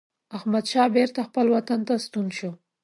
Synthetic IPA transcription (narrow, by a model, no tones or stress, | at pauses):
ahmad̪ʃɑbeɾt̪axpəlwat̪ant̪ast̪unʃo